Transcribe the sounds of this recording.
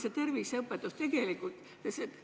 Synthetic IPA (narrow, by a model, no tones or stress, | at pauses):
set̪ærʋiːˑsheupːɑt̪ost̪ekeˑliku | se